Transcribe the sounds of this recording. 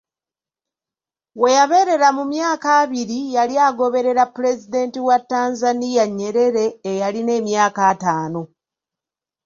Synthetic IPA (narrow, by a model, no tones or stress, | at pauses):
we̞jaβe̞ɾe̞ɾamumjaːkaːβiɾijaliaːɡo̞βe̞ɾe̞ɾapːuɾe̞zide̞ːntiwatːaːnzanijaɲːe̞ɾe̞ɾe̞ːjaline̞ːmjaːkaːtaːno̞